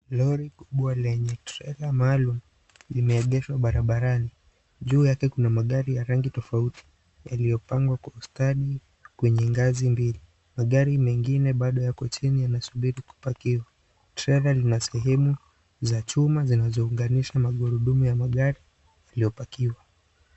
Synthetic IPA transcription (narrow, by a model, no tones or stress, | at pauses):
lɔɾikuɓualɛɲɛtɾɛlamaaːlum̩ | limɛːʄɛʃwaɓaɾaɓaɾani | ʄuːjakɛkunamaɠaɾijaɾaŋɡitɔfautʰi̥ | jalijɔpaŋɡwakwaustaɗi | kwɛɲɛŋɡazimbili | maɠaɾimɛŋɡinɛɓaɗɔjakɔt͡ʃinijanasuɓiɾiku̥pakiwa | tɾɛlalinasɛɦɛmu | zat͡ʃumazinazɔuŋɡaniʃamaɠuɾuɗumujamaɠaɾi | jalijɔpakiwa